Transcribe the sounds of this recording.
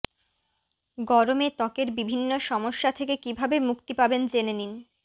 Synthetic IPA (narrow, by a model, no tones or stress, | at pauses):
ɡɔɾomet̪ɔkeɾbibʱinːoʃɔmoʃːat̪ʰekekibʱabemukt̪ipabend͡ʑenenin